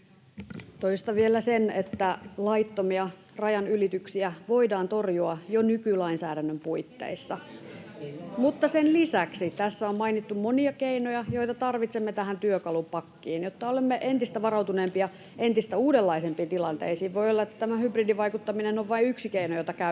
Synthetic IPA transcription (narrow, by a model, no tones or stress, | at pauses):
t̪oist̪ɑʋielæsenet̪ːælɑit̪ːomiɑ | rɑjɑnylit̪yksiæʋo̞idɑːnt̪o̞rjuɑjonykylɑinsæːdænːømpuit̪ːḛisːɑ | mut̪ːɑsenlisæksit̪æsːæommɑinit̪ːummoniɑkeinojɑjo̞it̪ɑt̪ɑrʋit̪semːet̪æɦænt̪yøkɑlumpɑkːiːnjot̪ːɑolemːeʔe̞nt̪ist̪æʋɑrɑut̪uneːmpiɑ | ʔent̪ist̪æuːdelːɑisempiːnt̪ilɑnt̪ḛisiːʋʋo̞ijolːɑet̪ːæ̥t̪æmæhybridiʋɑikut̪ːɑminenoʋʋɑiyksikeinojot̪ɑkæ